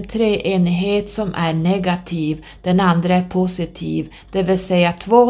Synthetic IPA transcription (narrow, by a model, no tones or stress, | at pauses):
t̪ʰɾeːʔeːnɪɦeːt̪sɔmʔæɳɛɡat̪ʰiːv | d̪̥ɛnand̪ɾəæɾpʰʊsɪt̪ʰḭːv | d̪̥ɛvɪlsɛjːat̪ʰvoː